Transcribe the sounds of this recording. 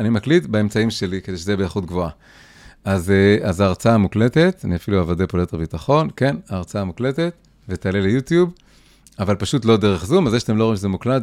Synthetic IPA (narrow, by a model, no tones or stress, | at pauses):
animaklit̪bae̞mt͡saimʃe̞likede̞ʃezeebeːχut̪̚ɡvoa | azeazaːʁt͡saamukle̞t̪e̞t̪aniafiluavadepolet̪ebit̪aχo̞nkenaːʁt͡saamukle̞te̞t̪ | vet̪aːlelejut̪jub | avalpaʃut̪lo̞d̪e̞ʁeχzumazeʃat̪emlo̞imʃezemuklat